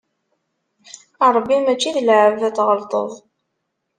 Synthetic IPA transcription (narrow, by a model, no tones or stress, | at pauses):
ɑɾˤəbːimæt͡ʃːiðlʕəvæt͡sːʁəlt̪ˤə̰ðˤ